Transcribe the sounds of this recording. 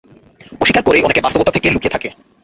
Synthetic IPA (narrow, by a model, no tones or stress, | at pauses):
oʃikaɾkoɾejonekebast̪obot̪at̪ʰekelukijet̪ʰake